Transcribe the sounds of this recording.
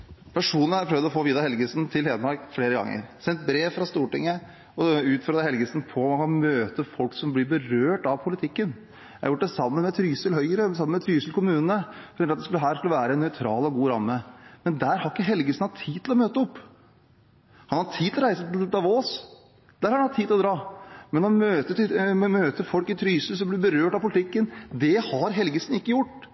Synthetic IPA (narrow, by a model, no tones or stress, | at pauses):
pʰæʂuːn̩æɾpʰɾœʋd̪ɔfoːʋiːd̪ɑhɛlɡəsnt̪ʰɪlheːd̪əmɑɾkfleːɾəɡɑ̰ŋːə̰ɾsɛnt̪̚bɾeːʋfɾɑst̪uːʈɪŋːə | ɔʉːt̪føːɾd̪əhɛlɡəsnpʰɔmɑnkʰɑnmøːt̪əfɔlksɔmblɪbəɾøːʈɑʋpʰʊlɪt̪ʰɪkːən | jæhɑjʊʈ̚ːd̪ɛsɑmːənmɛt̪ʰɾyːsəlɦœʏəɾəsɑmːənmɛt̪ʰɾyːsəlkʰʊmʉːnnəfɔɾʰɛnɾɑt̪d̪ɛskʉləɦæːʂkʉləʋæːɾəɛnːœʏt̪ʰɾɑːlɔɡuːɾɑmːəmɛnd̪æːɾhɑɾɪkːəɦɛlɡəsnɑt̪ʰːiːt̪ʰɪlɔmøːt̪əɔpː | hɑnhɑt̪ʰiːd̪ɪlɔɾæɪsət̪ɪld̪ɑʋoːs | d̪̥æːɾhɑɾɑnhɑt̪ʰːiːd̪ɪlɔd̪ɾɑːmɛnɔmøːt̪əmøːt̪əɾfɔlkɪt̪ʰɾyːsəlsɔmblɪɾbəɾøːʈɑpʰʊlɪt̪ɪkːənd̪ɛhɑɾɦɛlɡəsnɪkːəjʊʈː